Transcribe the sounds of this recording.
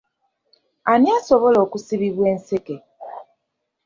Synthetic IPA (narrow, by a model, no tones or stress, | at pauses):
aniasoβoloːkusiβiβwe̞ːnseke